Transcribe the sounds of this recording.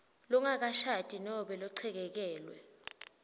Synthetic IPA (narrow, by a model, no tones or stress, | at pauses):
lɔŋak̬aʃatʼinɔɓɛlɔǀʰɛk̬ɛk̬ɛːlwɛ̰